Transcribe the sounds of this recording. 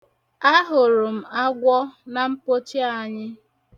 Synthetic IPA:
a˦ɦʊ˨ɾʊ˨m̩˨a˦ɡʷɔ˦na˨m̩˦po˦t͡ʃi˦a˨ɲɪ˦

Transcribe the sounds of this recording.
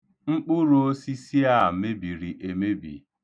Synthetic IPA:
ŋ͡m̩˦k͡pʊ˦ɾo˨o˦si˦si˦a˦˨me˦bi˨ɾi˨ʔe˨me˦bḭ˨

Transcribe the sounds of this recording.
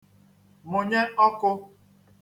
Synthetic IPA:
mʊ˨ɲe˦ɔ˦kʊ˦

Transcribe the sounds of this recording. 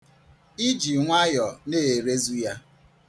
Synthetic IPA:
i˦d͡ʒi˨ŋʷa˦jɔ˨ne˦˨e˨ɾe˦zu˦ja˦

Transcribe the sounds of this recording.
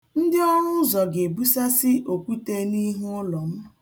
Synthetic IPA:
n̩˦dɪ˦ɔ˦ŋʊ˦zɔ˨ɡe˨bu˦sa˦sɪ˦ʔo˨kʷu˦te˦ni˦ɦu˦ʊ˦lɔ˨m̩˦

